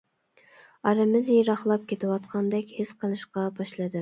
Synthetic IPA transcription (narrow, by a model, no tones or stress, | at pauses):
ɑɾɨmɪzjiɾɑχlˠɑp̚kʲʰet̪ʰɪwɑt̪̚qʰɑnd̪ɛkʲhɪsqʰəlˠɨʃqɑbɑʃlˠɨd̪ɨ